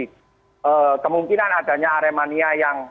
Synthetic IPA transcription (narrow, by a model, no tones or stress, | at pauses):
ʔəːkəmuŋkinanad̥a̤ɲaːɾemaniajaŋ